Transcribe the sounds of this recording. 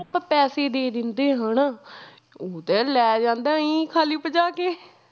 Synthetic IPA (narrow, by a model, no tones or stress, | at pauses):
pɛːseːd̪eːd̪ɪnd̪eːɦən | oːt̪eːlɛːd͡ʒãːnd̪aːĩːkʰaːliːpəd͡ʒaːkeː